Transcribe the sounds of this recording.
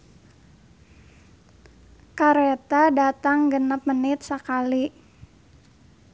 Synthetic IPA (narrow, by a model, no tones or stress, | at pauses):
kaɾet̪adat̪aŋɡənəp̚mənɪt̪̚səkali